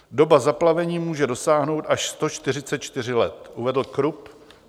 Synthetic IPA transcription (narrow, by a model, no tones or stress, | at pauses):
do̞bazaplavɛɲiːmuːʒɛdo̞saːɦno̞wt̪ʔaʃst̪o̞t͡ʃt̪ɪr̝ɪtt͡sɛt̪̚t͡ʃt̪ɪr̝ɪlɛt̪ʔuvɛdl̩kɾup